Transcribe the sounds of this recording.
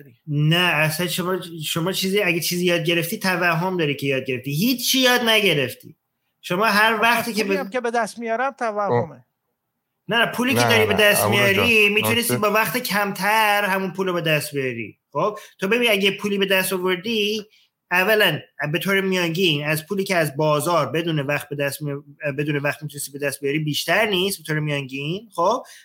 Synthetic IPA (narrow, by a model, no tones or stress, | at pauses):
nææsænʃomɒːʃomɒːt͡ʃʰiːziæɡet͡ʃʰiːzijɒːd̪̚ɟe̞ɾe̞ft̪iːt̪ʰævæhɦomd̪ɒːɾiːcʰejɒːd̪̚ɡʲe̞ɾe̞ft̪iːɦiːt͡ʃt͡ʃːiːjɒːd̪næɟe̞ɾe̞ft̪ḭː | ʃo̞mɒːɦæɾvæχt̪iːkʰekebed̪æst̪mijɒɾæmt̪ʰævæhhome | næpʰuːliːcʰed̪ɒːɾiːbed̪æst̪mijɒɾimiːt̪ʰune̞st̪ibɒːvæxt̪ecʰæmt̪ʰæɾhæmunpʰuːlobe̞d̪æst̪bijɒɾḭːxob̥̚t̪ʰobebiːniæɟepʰuːliːbe̞d̪æst̪ovo̞ɾd̪i | ævːælænbe̞t̪ʰoːɾemijɒnɟinæzpʰuːliːcʰeæzbɒːzɒːɾbed̪uːnevæχt̪̚be̞d̪æst̪mbe̞d̪uːnevæχt̪̚mit̪unest̪ibe̞d̪æst̪bijɒɾibiːʃt̪æɾniːst̪bet̪oːɾemijɒŋɟinχob̥̚